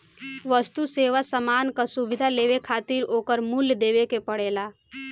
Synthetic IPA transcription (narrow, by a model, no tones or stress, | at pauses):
ʋəst̪useːʋasəmaːnkasubɪd̪ʱaleːʋekʰaːt̪iɾoːkəɾmuljd̪eːʋekepəɽeːlaː